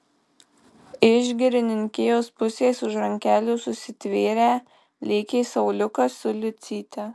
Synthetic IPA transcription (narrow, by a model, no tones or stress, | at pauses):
ɪʒʲɡʲɪɾʲɪnʲɪŋʲkʲɪjoːspʊsʲeːsʊʃɾɐŋʲkʲæːlʲuːsʊsʲɪt̪ʲʋʲeːɾʲæː | lʲɛɪkʲeːsɐʊlʲʊkɐsʊlʲʊt̪sʲiːt̪ʲɛ